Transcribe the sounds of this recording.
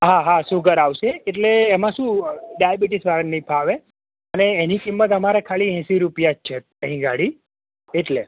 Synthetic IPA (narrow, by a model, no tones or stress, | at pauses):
ɦaɦasuɡəɾaʋʃeːʈleːmãʃũɖajabiʈisʋaɾənipʰaʋe | əneːnikimːət̪əmaɾekʰaliɦɛ̃siɾupjad͡ʒt͡ʃʰe | ə̃ɦĩɡaɽi | eʈle